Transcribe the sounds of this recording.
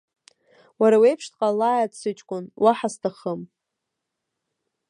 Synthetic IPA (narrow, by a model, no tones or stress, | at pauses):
waɾawejpʰʂtʰʼqʼalajatsɨt͡ʃʼkʷʼʊnwaħastʰaχəm